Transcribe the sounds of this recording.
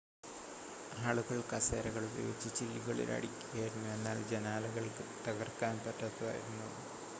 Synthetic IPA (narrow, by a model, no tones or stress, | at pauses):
aːɭuɣɐɭkɐseːɾɐɣɐɭubɐ̰jo̰ːt͡ɕːɐt͡ɕilːiɣɐɭḭlɐ̰ɽikʲːuɣɐjiɾunːue̞nːaːld͡ʑenaːlɐɣɐɭkɨt̪ɐɣɐrkaːnpɐtːɐt̪ːuða̰ːjḭɾunːuɐnɨ